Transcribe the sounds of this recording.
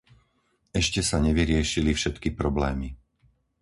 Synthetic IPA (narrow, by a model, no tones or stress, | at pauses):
ɛʃcɛsaɲɛʋiɾɪɛʃilifʃɛt̪kipɾɔblɛːmi